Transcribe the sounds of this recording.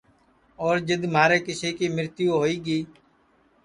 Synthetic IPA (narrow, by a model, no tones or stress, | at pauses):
oːɾd͡ʒəd̪maːɾeːkɪseːkiːmɪɾt̪ɪjõːɦoːiːɡiː